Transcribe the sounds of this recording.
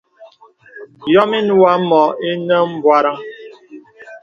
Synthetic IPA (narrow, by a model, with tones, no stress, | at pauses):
jɔ˦mi˦n˦wa˦mɔ˨i˦nə˦m̩˦bwa˦ɾa˦